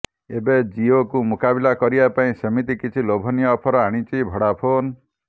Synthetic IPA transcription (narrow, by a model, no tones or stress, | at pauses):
ebed͡ʒiokumukabilakɔɾibapaĩsemit̪ikit͡ʃʰilobʱɔnijɔːpʰɔɾɔaɽ̃it͡ʃibʱɔɽapʰon